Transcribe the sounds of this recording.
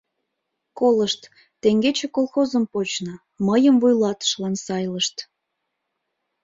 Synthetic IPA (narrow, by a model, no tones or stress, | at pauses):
koləʃt̪ː | eŋɡet͡ɕekolˠxozəmpot͡ɕnə | məjəmvujlɑt̪ə̥ʃlɑnsɑjləʃt̪